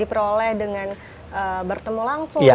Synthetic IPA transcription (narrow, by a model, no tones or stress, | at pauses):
ipəɾolɛhdəŋan | ʔəbərt̪əmulaŋsʊjŋa